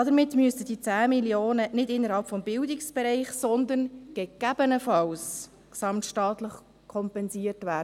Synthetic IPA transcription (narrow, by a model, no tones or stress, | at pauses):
ɑd̪əɾmɪtmyəstəd̥it͡sæːmiljoːnənɪdɪnːəɾhɑlpfɔmbɪldɪksb̥ɛɾɛɪχsɔnd̪ənɡ̥ɛɡ̥æb̥ənəfɑws | ksɑmtʃtɑːt̪ləχ | kʰɔmpɛnsiːəɾtvæːdə